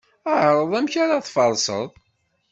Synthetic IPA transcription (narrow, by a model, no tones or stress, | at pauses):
əʕɾˤəðˤæmçaɾaθfɑɾˤsˤə̰ðˤ